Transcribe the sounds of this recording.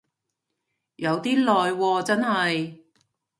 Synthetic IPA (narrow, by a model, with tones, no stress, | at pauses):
jɐ˨˧wt̪iː˥lɔː˨jwɔː˧t͡sɐ˥nɦɐ˨j